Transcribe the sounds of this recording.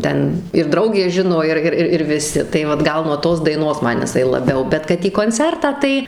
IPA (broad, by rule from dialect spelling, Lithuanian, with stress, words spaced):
ˈtʲɛn ɪr ˈdrɐʊɡʲeː ˈʒʲɪnoː ˈɪr ˈɪr ɪr ʋʲɪˈsʲɪ tɐɪ ˈʋɐt ˈɡɐlˠ nuɔ ˈtoːs dɐɪˈnoːs ˈmɐn jɪˈsɐɪ lˠɐˈbʲɛʊ ˈbʲɛt kɐt iː koːnʲˈt͡sʲɛrtɑː ˈtɐɪ